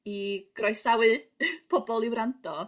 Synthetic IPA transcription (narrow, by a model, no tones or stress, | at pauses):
iɡ̥rɔjsawɨpʰɔbɔlˠiwɾantʰɔ